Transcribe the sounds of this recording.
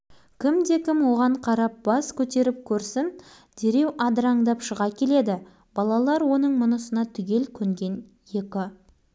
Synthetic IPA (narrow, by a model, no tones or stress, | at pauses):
kʲʰɪmd̪e̞kʲʰɪmwo̞ʁɑɴqʰɑɾɑp̚b̥ɑskʲʰɵt̪e̞ɾɪp̚kʲʰɵɾsɪn | d̪̥e̞ɾe̞wʔɑd̪ɾɑɴd̪ɑpʃəʁɑkʲʰe̞le̞d̪ɪ | b̥ɑlˠɑlˠɑɾwo̞nəɴmʊnəsənɑt̪ʰʏɡʲe̞lkʲʰɵŋɡʲe̞n | je̞kʲɪ